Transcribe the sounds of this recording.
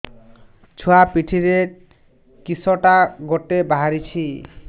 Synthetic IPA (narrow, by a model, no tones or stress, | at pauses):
t͡ɕʰuapiʈʰiɾeɾ | kisɔʈaɡoʈebaɦaɾit͡ɕʰi